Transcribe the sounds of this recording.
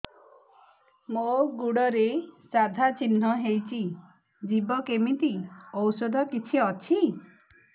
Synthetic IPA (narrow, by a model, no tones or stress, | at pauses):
moɡuɽɔɾesad̪ʱat͡ʃinːɔɦejt͡ʃʰi | d͡ʒibɔkemit̪iɔwsɔd̪ʱɔkit͡ʃʰiɔt͡ʃʰi